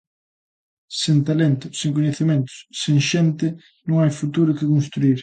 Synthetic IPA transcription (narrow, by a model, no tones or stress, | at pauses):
sent̪alent̪ʊseŋkoɲeθimẽnt̪ʊ̥sseŋʃent̪ɪ | nõŋajfut̪uɾʊkɪkõnst̪ɾuiɾ